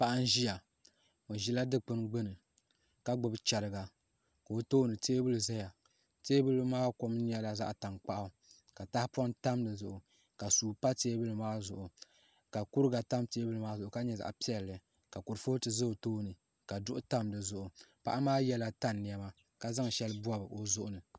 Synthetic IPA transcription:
pa˦ʔa˦n˦ʒi˦ja˨ | o˨ʒi˦la˦dɨ˦k͡pɨ˦nɡ͡bɨ˦nɨ˨ | ka˦ɡ͡bʊ˨bt͡ʃɛ˨ɾɨ˨ɡa˨ | ka˨o˦toː˦nɨ˨teː˦bɨ˦lɨ˨za˦ja˨ | teː˦bɨ˦lɨ˦maː˦ko˦m˦ni˦ɛ˦la˨za̰˦ʔta˨ŋk͡pa˦ʔa˨ | ka˨ta˦hɪ˦pɔ˦nta˦mdɨ˨zʊ˨ʔʊ˨ | ka˨suː˨pa˦teː˦bɨ˦lɨ˨maː˦zʊ˨ʔʊ˨ | ka˨ku˦ɾɨ˦ɡa˨ta˦mteː˦bɨ˦lɨ˨maː˦zʊ˨ʔʊ˨ka˦ɲɛ˦˨za̰˨ʔpi˦ɛ˨lːɨ˨ | ka˨kʊ˨ɾfo˦tɨ˨zɨ˦o˨toː˦nɨ˨ | ka˨dʊ˦ʔʊ˦ta˦mdɨ˨zʊ˨ʔʊ˨pa̰˦ʔa˦maː˦jɛ˦la˨ta˦nː˨i˨ɛ˦ma˦ | ka˦za˦ŋ˨ʃɛ˦lɨ˦bu˦a˦bɨ˨o˦zʊ˦ʔʊ˦nɨ˨

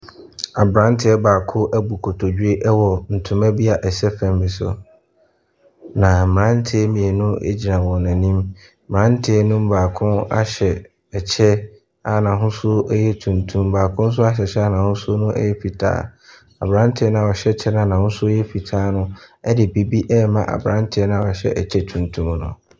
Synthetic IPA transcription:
a˨bɾã˦n˦tʰɪ˨˦ɛ˦baː˨kʰʊ˦ʔɛ˦bu˨kʰo˨tʰo˨d͡ʑᶣe˦ʔɛ˦wɔ˨n̩˨tʰʊ̃˨˦mæ˦bi˦a˨ʔɛ˨sɛ˦fɛ̃˨mbɪ˨sʊ̰˨ | nã˨mã˨˦n˦tʰɪ˨ɛ˦mĩ˨e˨nʊ̃˦ḛ˦d͡ʑi˨ɾã˨wɔ̃˨nã˨nĩ˦m̩˨ | mã˨˦n̩˦tʰɪ˨ɛ˦nʊ̃˦m̩˦baː˨kʰʊ̃˦na̰˦ɕɛ˨ | ɛ˨t͡ɕʰɛ˦ | a˨nã˨ɦʊ̃˦sʊ˦jɛ˦tʰũ˨ntʰũ˦m˦baː˨kʰʊ̃˦n̩˦s̬ʊ˦a˦ɕ̬ɛ˨ɕɛ˦a˦nã˨hʊ̃˦sʊ˦nʊ̃˦ʔɛ̰˦jɛ˦fi˨tʰa̰ː˨˦˨ | a̰˨bɾã˦n˦tʰɪ˨˦ɛ˦nã˨ɔ˨ɕɛ˦˨t͡ɕʰɛ˦nã˦˨nã˨hʊ̃˦sʊ˦jɛ˦fi˨tʰaː˦nʊ̃˦ɛ˦dɪ˨bi˨bi˦ʔɛ˦mã̰˦ʔa̰˨bɾã˦n˦tʰɪ˨ɛ˦nã˦ɔ˨ɕɛ̰˦ʔɛ̰˨t͡ɕʰɛ˦tʰũ˨ntʰũ˦mnʊ̰̃˨

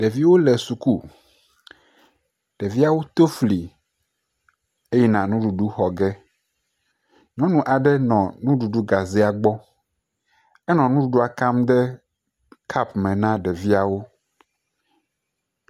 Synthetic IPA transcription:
ɖe˨vi˦wo˦lɛ˨su˨ku˦ | ɖ̥e˨vi˦a˦wo˦t̪o˦fli˨ | e˦jɛ˦nã˨nũ˦ɖu˨ɖu˦xɔ˨ɡɛ˦ | ɲɔ̃˦nũ˨ʔa˨ɖɛ˦nɔ̃˨nũ˦ɖu˨ɖu˦ɡa˨ze˦a˨ɡ͡bɔ˦ | ɛ˦nɔ̃˨nũ˦ɖu˨ɖu˦a˨ka˦md̪ɛ˦ | kʰa˦pmɛ̃˨nã˦ɖɛ˨vi˦a˨wo˦

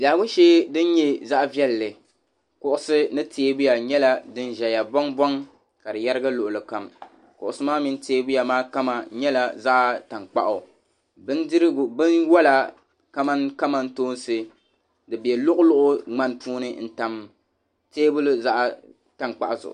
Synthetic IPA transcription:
ɡaː˨bʊ˦nʃeː˦dɨ˦n˦ɲɛ˦za˦ʔvjɛ˦lːɨ˨ | kʊ˦ʔʊ˦sɨ˦nɨ˦tʰeː˦bʊ˦ja˨ɲɛ˦la˦dɨ˦nʒɛ˨ja˨bɔ˦ŋbɔ˦ŋ | ka˨dɨ˨ja˦ɾɨ˦ɡa˦lʊ˨ʔʊ˨lɨ˨ka˨m | kʊ̰˨ʔʊ˨sɨ˦maː˦mi˦n˦teː˦bʊ˦ja˨maː˦ka˦ma˨ɲɛ˦la˨za˦ʔa˦ta˨ŋk͡pa̰˦ʔʊ˨ | bɨ˦ndɨ˦ɾɡbɨ˦nwɔ˦la˨ | ka˦ma˦nka˦ma˨˦n̩˦toː˦n˦sɨ˦ | dɨ˨bi˨ɛ˨lʊ˦ʔʊ˦lʊ˦ʔʊ˦ŋ͡ma˦n˦pʰuː˦nɨ˦n̩˦ta˨m | teː˦bʊ˦lɨ˦za˦ʔa˨ | ta˨ŋk͡pa̰˨ʔzʊ̰˨ʔʊ̰˨

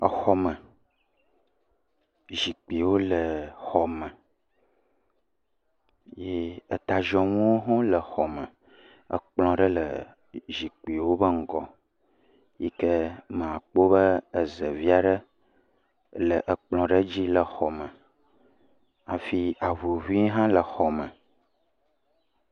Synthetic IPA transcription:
ə˨xɔ˨mə˨ | ʒi˨k͡pi˨wo˦lə˨xɔ˨mə̃˨ | je˦ə˨t̪a˨ʒɔ̃˨mũ˦wo˦ɦɔ̃˦lə˨xɔ˨mə̃˨ | ə̰˨k͡plɔ̃˨ɖə˦lə˨ | ʒi˨k͡pi˨wo˦bə˦ŋ̩˦ɡɔ̰˨ | ji˦kə˦mə̃˨a˨k͡po˦bə˦ə˨zə˨vi˦a˦ɖə˦ | lə˨ʔə˨k͡plɔ̃˨ɖə˦d͡ʑi˦lə˨xɔ˨mə̃˨ | a˨fi˦a˨vu˨vu˦i˦ɦã˦lə˨xɔ˨mə̃˨

